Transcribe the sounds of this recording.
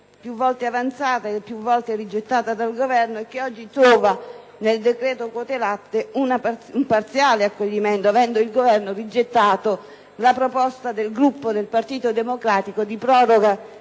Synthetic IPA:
pjuvːɔlt̪eavant̪saːt̪aepːjuvːɔlt̪ɪrid͡ʒːet̪ːaːt̪ad̪alɡovɛrnoek̟ːeɔd͡ʒːit̪ɾɔːva | neld̪ekɾɛːt̪okot̪elat̪ːeunaumpart̪sjaːleakːoʎːimɛnt̪oavɛnd̪oilɡovɛrnorid͡ʒːet̪ːaːt̪o | lapɾopɔst̪ad̪elɡɾupːod̪elpart̪iːt̪od̪emokɾaːt̪ikod̪ipɾɔːɾoɡa

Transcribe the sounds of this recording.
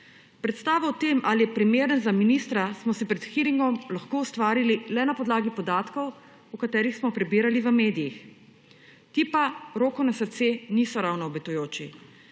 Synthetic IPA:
pɾɛt̪st̪aːʋawt̪eːmʔalijɛpɾimeːɾənzaminiːst̪ɾasmɔsɛpɾɛt̪xiːɾiŋɡɔmlaxkoːust̪ʋaːɾililɛnapɔd̪laːɡipɔd̪aːt̪kɔw | ukat̪ɛːɾixsmɔpɾɛbiːɾaliʋəmeːd̪ijix | t̪iːpaɾoːkɔnasət̪senisɔɾawnɔːbɛt̪ujoːt͡ʃi

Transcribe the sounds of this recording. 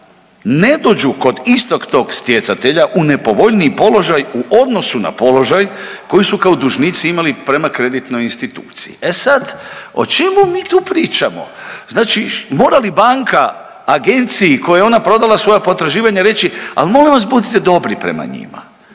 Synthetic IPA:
ne̞d̪o̞ːd͡ʑuko̞d̪ist̪o̞kt̪o̞ːɡst̪je̞t̪sat̪eʎaʔune̞po̞ʋo̞ʎniipo̞lo̞ʒajuʔo̞d̪no̞suna̰po̞lo̞ʒajko̞jisukaod̪uʒnit̪siimalipɾe̞makɾe̞d̪it̪no̞jinst̪it̪ṵːt̪sijḭʔesad̪o̞̰t͡ʃemumiːt̪uːpɾiːt͡ʃamo̞̰znaːt͡ʃimo̞ːɾalibaŋkaː | ɡe̞nt̪siːko̞jajeo̞napɾo̞d̪alˠasʋo̞japo̞t̪ɾaʒiːʋaɲaɾe̞t͡ɕia̰lmo̞ːliʋas̬bud̪it̪ed̪o̞bɾipɾe̞̰ma̰ɲḭma̰

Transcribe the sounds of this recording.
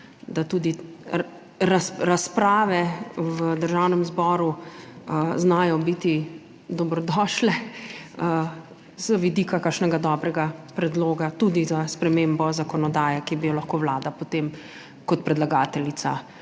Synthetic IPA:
d̪at̪ud̪i | ɾasɾaspɾaːʋɛwəd̪əɾʒawnɛmzbɔːɾu | znaːjɔbit̪i | d̪ɔbɾɔd̪ɔːʃlɛə | zəʋid̪iːkakakʃnɛɡad̪ɔːbɾɛɡapɾɛd̪loːɡat̪ud̪izaspɾɛmeːmbɔzakɔnɔd̪aːjɛkibijɔlaxkoːwlaːd̪apot̪em | kɔt̪̚pɾɛd̪laɡaːt̪ɛlit̪sa̰

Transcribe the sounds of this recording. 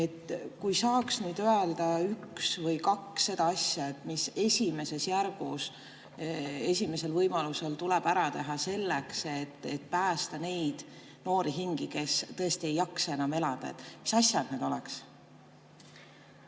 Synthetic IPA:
e̞t̪kujsɑːksnyːd̪øeld̪̥ɑyksvɤjkɑksːe̞d̪ɑɑsʲjɑet̪ːˑmise̞sʲime̞se̞sjærɡ̥us | e̞sʲime̞se̞lvɤjmɑluselt̪ulɛb̥æɾɑt̪e̞ɦɑse̞lːekse̞t̪ːet̪̚pæːst̪ɑne̞jd̪̥ | no̞ːɾiɦiŋɡ̥ike̞st̪ɤe̞st̪ie̞jːɑksɑe̞nɑme̞lɑd̪̥ɑḛt̪ːˑmisɑsjɑd̪̥ned̪̥o̞lɛks

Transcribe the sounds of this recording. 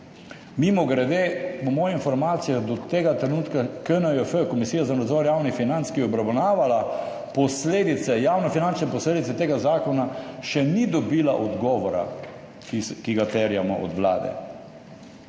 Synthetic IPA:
mimɔɡɾɛd̪eɔmɔːjinfɔɾmaːt̪sijad̪ɔt̪eːɡat̪ɾɛnuːt̪kakənəəfəkɔmisiːjazanad̪zɔɾjaːwnixfinant̪skiɛɔbɾawnaːʋala | pɔsleːd̪it̪sɛjaːwnɔfinant͡ʃnɛpɔsleːd̪it̪sɛt̪eːɡazaːkɔnaʃɛnid̪ɔbiːlaʔɔd̪ɡɔːʋɔɾa̰ | kiɡat̪ɛɾjamɔ̰ʔɔ̰d̪ʋla̰ːd̪ɛ̰

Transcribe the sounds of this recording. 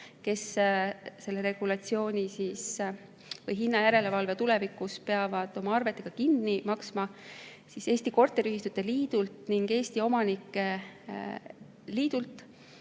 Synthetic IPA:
ke̞s | se̞lːe̞ɾe̞ɡ̥ulɑt̪sio̞ːnʲisiːs | vɤjɦinːɑjæɾe̞le̞vɑlve̞t̪ule̞vikuspe̞ɑvɑd̪̥o̞mɑɑrve̞t̪ˑːe̞ɡ̥ɑkinːimɑksmɑ | sise̞ːsʲt̪iko̞rt̪ːˑeɾiyhist̪ut̪ːe̞liːd̪̥ult̪niŋɡ̥e̞ːst̪io̞mɑnikːˑe | liːd̪̥ult̪ˑ

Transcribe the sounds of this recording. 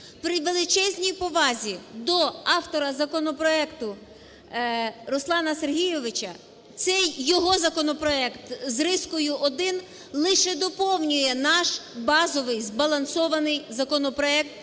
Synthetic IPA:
pɾɪʋelˠɪt͡ʃɛzʲnʲijpɔʋɑzʲid̪ɔɑwt̪ɔɾɐzɐkɔnɔpɾɔɛkt̪ʊ | ɾɔslˠɑnɐserɦʲijɔʋɪt͡ʃɐ | t̪sɛjːɔɦɔzɐkɔnɔpɾɔɛkt̪zrɪskʊjʊʔɔd̪ɪn | lˠɪʃɛd̪ɔpɔwnʲʊjɛnɑʃbɑzɔʋɪjzbɐlˠɐnsɔʋɐnɪjzɐkɔnɔpɾɔɛk̚t̪̚

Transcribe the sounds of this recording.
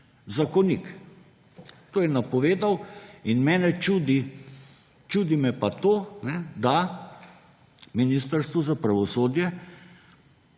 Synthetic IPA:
zakɔnik | t̪oːjɛnapɔʋeːd̪awinmɛːnɛt͡ʃuːd̪i | t͡ʃud̪imɛpat̪oːnɛd̪a | miniːst̪əɾst̪ʋuzapɾaʋɔsoːd̪jɛ

